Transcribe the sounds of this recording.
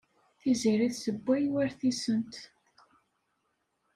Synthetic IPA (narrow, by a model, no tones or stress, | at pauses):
θiziɾiθsəbʷːæjwæɾθisənt̪